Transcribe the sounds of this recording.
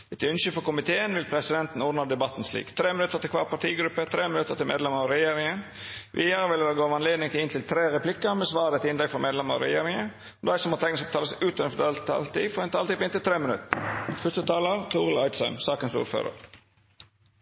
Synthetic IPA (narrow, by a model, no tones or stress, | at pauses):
ɛt̪ʰʉnʃʏfɔkʊmɪt̪ʰeːənʋɪlpʰɾɛsɪd̪ɛnt̪n̩ɔːɾd̪nəd̪ɛbɑt̪ːn̩slḭːkt̪ʰɾeːmɪnʉt̪ːəɾt̪ɪlkʰʋɑ̰ːpʰɑʈʰiːɡɾʉpːət̪ʰɾeːmɪnʉt̪ːət̪ɪmḛːd̪ɛməɑɾɛjeːɾɪŋən | ʋʔiːəɾəʋɪlːəd̪ɑɡoːʋɑnleːd̪nɪŋt̪ʰɪlɪnt̪ʰɪlt̪ʰɾeːɾɛpʰlɪkːəmɛsʋɑːɾd̪ɛt̪ɪnd̪ɛkfɔmeːd̪lɛməɑ̰ɾɛ̰jeːɾɪŋə | d̪æɪsɔmɔt̪ʰɛŋnst̪ʰɑːləsʉːt̪ənəfɔd̪ɑlt̪ɑ̰lt̪ifɔʁɛnt̪ʰɑlt̪iːpɔɪnt̪ɪlt̪ʰɾeːmənʉ̰t̪ːəfœst̪ət̪ʰɑːləɾt̪ʰuːʁl̩ɑɪt̪sœʉmsɑːkənsṵːɾfø̰ːɾə̰ɾ